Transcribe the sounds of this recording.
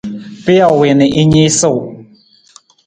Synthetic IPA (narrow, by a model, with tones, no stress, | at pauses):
pɪ˦a˨we˨nɪ˨ʔi˦ɲi˦sə˦˨w